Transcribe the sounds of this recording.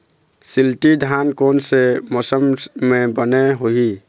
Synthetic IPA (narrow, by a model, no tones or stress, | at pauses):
silʈid̪ʱankonsemosəmːebəneɦoɦi